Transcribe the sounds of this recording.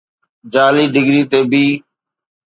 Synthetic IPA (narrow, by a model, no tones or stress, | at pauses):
d͡ʒaːliːɖɪɡɾiːt̪eːbiː